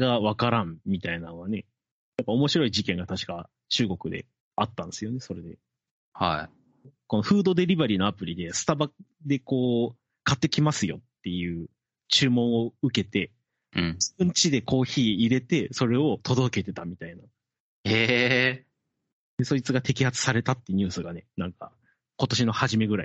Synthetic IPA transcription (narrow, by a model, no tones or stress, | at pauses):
ɡaβakaɾãmmʲit̪ainanoɡane̞ | japːao̞mo̞ɕiɾo̞iʑikẽ̞ŋɡat̪aɕi̥ka | t͡ɕɨːɡo̞kɯ̟d̪e̞̰ | at̪ːãnd̪esɨjo̞ne̞so̞ɾe̞d̪e̞̰ | ha̰i | ko̞noɸɯ̟ːd̪o̞d̪e̞ɾʲibaɾʲino̞apɯ̟ɾʲid̪e̞sɨ̥t̪aba | d̪e̞ko̞ː | kat̪ːe̞kʲimasɨjo̞̰t̪ːe̞jɯ̟ː | t͡ɕɨːmõ̞ɰ̃o̞ɯ̟ke̞t̪ẽ̞ | d͡ʑibɯ̟̃ɲt͡ɕid̪e̞ko̞ːçiːɾe̞t̪e̞so̞ɾe̞o̞t̪o̞d̪o̞ke̞t̪e̞t̪amʲit̪aina | heː | d̪̥e̞so̞it͡sɨɡat̪e̞kʲihat͡sɨ̥saɾe̞t̪at̪ːeɲ̟ɨ̟ːsɨɡane̞nãŋka̰ | ko̞t̪o̞ɕino̞haʑime̞ɡɯ̟ɾa̰i